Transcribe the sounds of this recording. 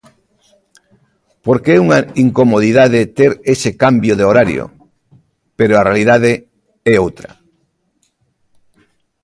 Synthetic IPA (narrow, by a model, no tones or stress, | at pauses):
poɾkeɛuŋaiŋkomoð̞iðaðet̪eɾesekambjoðeoɾaɾj̰o̰ | peɾoarealið̞aðe | ɛowt̪ɾɐ̰